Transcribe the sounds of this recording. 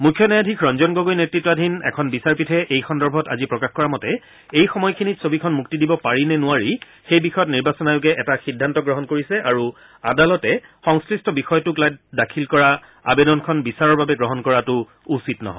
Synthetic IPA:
mukʰjɔnajadʱikʰɹɔnzɔnɡoɡojnetɹitːɔadʱinɛ̰kʰɔnbisaɹpitʰɛʔejxɔndɔɹbʱɔta̰zipɹɔkaxkɔɹamɔtɛ | ejxɔmɔjkʰinitsobikʰɔnmuk̚tidibɔpaɹinɛnʊaɹi | xejbixɔjɔt̬niɹbasɔnajʊk̬ɛʔɛtaxidʱːantɔɡɹɔɦɔnkoɹisɛʔaɹu | adalɔtɛxɔŋskɹistɔbixɔjɔtʊklajt̚dakʰilkɔɹa | a̰bedɔnkʰɔnbisaɹɔɹbabɛɡɹɔɦɔnkɔɹatʊ | usitnɔ̰ɦɔ̰

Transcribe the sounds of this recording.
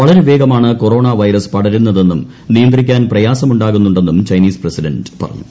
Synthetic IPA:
ʋɐɭɐɾeʋe̞ːɡɐmaːɳɨko̞ro̞ːɳaʋɐjɾɐspɐɽɐɾunːɐðe̞nːum | nijɐnd̪rikʲːaːnprɐjaːsɐmuɳɖaːɣunːuɳɖe̞nːumt͡ɕɐjniːsprɐsiɖɐnɖpɐ̰rɐ̰ɲːu

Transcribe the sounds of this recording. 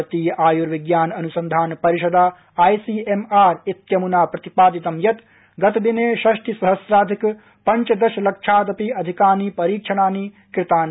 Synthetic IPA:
t̪iːjɐʔaːjuɾʋiɡjaːnɐnusɐnd̪ʱaːnpɐɾiʃɐd̪aː | aːjsiːemaːɾit̪jɐmunaːpɾɐt̪ipaːd̪it̪ɐmjɐt̪ | ɡɐt̪ɐd̪ineːʃɐʃʈisɐɦɐsɾaːd̪ʱik | pɐɲt͡ʃɐd̪ɐʃɐlɐkʂʰaːd̪ɐpiɐd̪ʱikaːniːpɐɾiːkʂʰɐnaːniː | kɾɪt̪aːn

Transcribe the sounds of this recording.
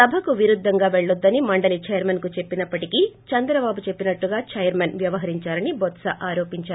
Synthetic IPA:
sɐbʱɐkuʋiɾud̪ʱːɐŋɡaːʋeɭːud̪ːɐnimɐɳɖɐlit͡ʃɐjɐɾmɐnkut͡ʃe̞pːinɐpːɐʈikit͡ʃɐnd̪ɾɐbaːbut͡ʃe̞pːinɐʈːuɡaːt͡ʃɐjɐɾmɐnʋjɐʋɐɦɐɾiɲt͡ʃaːɾɐnibɔt̪sɐʔaːɾoːpiɲt͡ʃaːɾ

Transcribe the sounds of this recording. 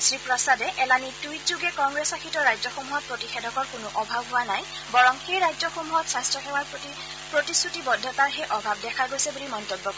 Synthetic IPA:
sɹipɹɔsadɛʔɛlanitujtzuɡɛkɔŋɡɹesakʰitɔɹajzɔxomuɦɔt̚pɹotixɛdɔkɔɹkʊnʊʔɔbʱabɦʊwanaj | bɔɹɔŋxejɹajzɔxomuɦɔtsastɹɔxɛwaɹ | pɹotisʰutibɔdʱːɔtaɹxejʔɔbʱab̚dɛkʰaɡojsɛbulimɔntobːɔkɔ

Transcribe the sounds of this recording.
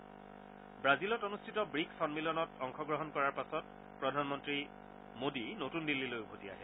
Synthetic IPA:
bɹazilɔtonustʰitɔbɹiksɔnmilɔnɔtɔŋxʰɔɡɹɔɦɔnkɔɹaɹpasɔt̚ | pɹɔdʱanmɔntɹi | modinotundilːilojubʱotia̰ɦɛ

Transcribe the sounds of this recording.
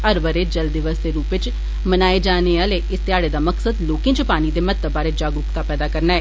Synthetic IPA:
əɾbəɾeːd͡ʒəld̪iʋəsd̪eːɾuːpʋɪt͡ʃ | mənaːed͡ʒaːneaːleːɪst̪ɪjaːɽeːd̪aːməksəd̪loːkɪ̃ːt͡ʃəpaːniːd̪eːmət̪ːəbaːɾeːd͡ʒaːɡʊkt̪aːpɛːd̪aːkəɾnaːɛː

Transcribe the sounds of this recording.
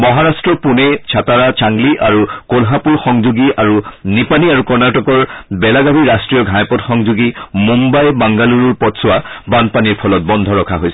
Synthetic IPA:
mɔɦaɹastɹɔpunet͡ʃʰataɹat͡ʃaŋɡliʔaɹukolɦapuɹxɔŋzuɡiʔaɹunipaniaɹukɔɹnaʈɔkɔɹbɛlaɡabʱiɹastɹijɔɡʱãjpɔtxɔŋzuɡimumbajbaŋɡaluɹuɹpɔtsʊabanpaniɹpʰɔlɔt̚bɔnd̪ʱɔɹɔkʰaɦojsɛ

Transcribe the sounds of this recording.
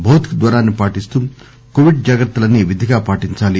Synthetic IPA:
bʱɐwt̪kd̪ʋɐɾaːnːipaːʈist̪uː | koːʋiɖ̚d͡ʒɐɡɐɾt̪ːulɐnːiʋid̪ʱiɡaːpaːʈiɲt͡ʃaːli

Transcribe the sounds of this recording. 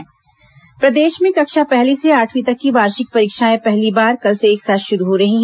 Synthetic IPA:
pɾɐd̪eːʃmẽkɐkʃapɛɦliseaːʈʰwit̪ɐkːiʋaːɾʃɪk̚pɐɾiːkʃaːẽpɛɦlibaːɾkɐlseeːksaːt̪ʃʊɾuɦoɾɐɦĩɦɛ

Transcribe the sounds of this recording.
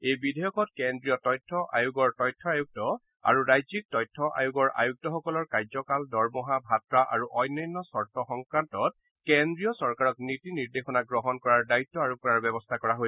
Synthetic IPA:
ejbidʱɔjɔkɔtkendɹijɔtɔjtʰːɔʔa̰juɡɔɹtɔjtʰːɔajuɡ̚tɔ | a̰ɹuɹajzik̚tɔjtʰːɔʔa̰juɡɔɹa̰juk̚tɔxɔkɔlɔɹkaɹzɔkaldɔɹmɔɦabʱatɹaʔa̰ɹuʔɔjnːɔjnːɔsɔɹtʰɔxɔŋkɹantɔt̚ | kendɹijɔsɔɹkaɹɔknitiniɹdexɔnaɡɹɔɦɔnkɔɹaɹdaitːɔaɹukɔɹaɹbɛbɔstʰakɔɹaɦoj

